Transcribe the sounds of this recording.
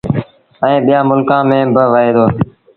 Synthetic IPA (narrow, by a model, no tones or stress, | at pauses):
əẽːɓijãːmʊlkãːmẽːbəʋəeːd̪oː